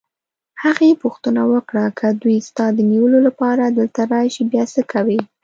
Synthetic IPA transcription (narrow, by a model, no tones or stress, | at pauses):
haɣepuxt̪ənawəkɽakʰəd̪ujst̪ɑd̪əniwəlolapɑɾad̪əlt̪aɾɑjʃibjɑsəkʰawi